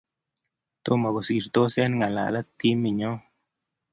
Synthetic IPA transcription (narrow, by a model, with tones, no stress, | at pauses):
t̪o˦ma˨ɡo˨si˧˨ɾt̪o˦se˦nŋa˨la̰˨la˦t̪i˦mi˨ɲo˦